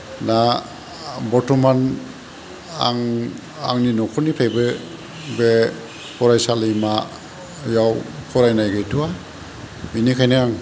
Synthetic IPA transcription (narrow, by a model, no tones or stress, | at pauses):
na | bɔtʰuman | a̰ŋ | a̰ŋninɔkʰɔnipʰajbɯ | bɛ | pʰɔɾajsalijma | jawkʰɔɾajnajɡɯjtʰua | minikʰajneaŋ